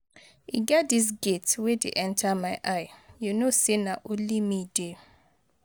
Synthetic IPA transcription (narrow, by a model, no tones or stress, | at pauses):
iɡɛdis̬ɡetswedḛʔɛ̃ntʰamaɪʔaɪjunosinaʔolimide